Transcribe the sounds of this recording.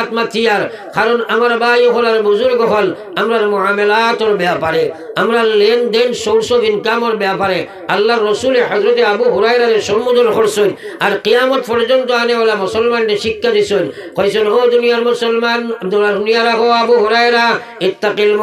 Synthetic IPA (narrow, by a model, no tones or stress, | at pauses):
t̪mat̪ʰːiaɾ | kʰaɾɔnamaɾbajoɦɔlaɾbuzuɾɡɔɦɔl | amɾaɾmʊamelat̪ɔɾbeapaɾe | amɾaɾlend̪ensoɽsobinkamɔɾbeapaɾe | alːaɾːɔsuleɦɔzɾɔt̪eabuɦuɾajɾaɾesɔmud̪ɔɾkʰɔɾsoɲaɾqijamɔt̪pɔɾd͡ʒɔnt̪ɔanebɔlamɔsɔlmanʈeʃikːad̪isoɲ | kʰɔjsɔnɦod̪unijaɾmʊsɔlmand̪adunijaɾakɔabuɦuɾajɾa | ɪt̪ːaqilm